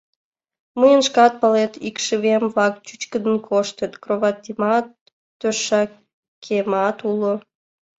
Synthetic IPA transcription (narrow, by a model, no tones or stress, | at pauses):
məjənʃkɑt̪̚pɑlet̪ikʃəβemvlɑk̚t͡ɕyt͡ɕkəd̪ənkʰoʃt̪ət̪kroβɑt̪imɑt̪ː | øʃːɑ | kʰemɑt̪ulo